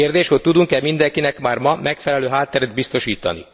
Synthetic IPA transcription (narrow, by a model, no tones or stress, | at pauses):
eːrd̪eːʃhot̚t̪ud̪uŋkɛmind̪ɛŋkinɛkmaːrmɒmɛkfɛlɛløːɦaːt̪ːɛɾɛd̪̚bist̪o̞ʃiːt̪ɒ̰nḭ